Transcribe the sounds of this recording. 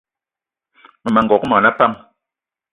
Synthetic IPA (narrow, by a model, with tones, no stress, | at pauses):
mə˨ma˨ŋ˨ɡɔ˨kmɔ˨na˦pa˦ŋ